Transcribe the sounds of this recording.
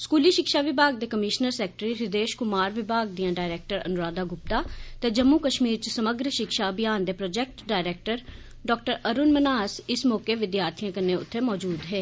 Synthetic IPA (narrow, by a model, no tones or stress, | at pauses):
skuːliːʃɪkʃaːʋɪbʱaːɡd̪eːkəmɪʃnəɾsɛːkʈɾiɾɪd̪eːʃkʊmaːɾʋɪbʱaːɡ̚d̪ijãːɖaːɪɾeːk̚ʈəɾə̰nʊɾaːd̪aːɡʊp̚t̪aːt̪eːd͡ʒəmːukəʃmiːɾt͡ʃsəməɡɾʃɪkʃaːəbɪjaːnd̪eːpɾɔːd͡ʒɛːk̚ʈɖaːɪɾeːk̚ʈəɾ | ɖɔːk̚ʈəɾəɾʊnmənaːsɪsmɔːkeʋɪd̪jaːɾt̪ʰijãːkənːẽːʊ̰t̪ʰːeːmɔːd͡ʒuːd̪ɦɛː